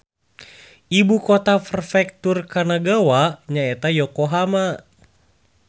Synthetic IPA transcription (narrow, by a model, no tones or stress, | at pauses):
ibukɔt̪afərfɛk̚t̪urkanaɡawaɲaɛt̪ajɔkoɦama